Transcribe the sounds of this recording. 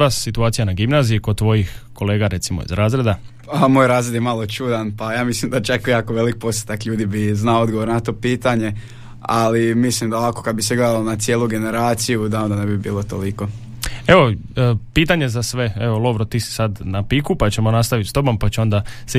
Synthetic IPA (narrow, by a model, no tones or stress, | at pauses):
ʋassit̪uaːt̪ijanaɡimnaːziikod̪̚t̪ːʋo̞jixko̞le̞ːɡaɾe̞t̪simo̰ḭzɾaːzɾe̞d̪a | amojɾaːzɾed̪jemalˠot͡ʃuːd̪anpajaːmislimd̪at͡ʃakjaːkoʋe̞lik̚pose̥t̪akʎuːd̪ibiznaood̪ɡoʋoɾnat̪o̞piːt̪aɲe̞ | alimislimd̪aoʋakokad̪biseɡled̪alonat̪sijeːluɡe̞ne̞ɾaːt̪sijud̪ao̞nd̪anebibiːlˠot̪oliko̞ | e̞ʋo̞ | piːt̪aɲe̞zasʋe̞eʋo̞lˠo̞ʋɾot̪iːsi̥sad̪napikupat͡ɕe̞monast̪aʋit̪st̪o̞bompat͡ɕeo̞nd̪ase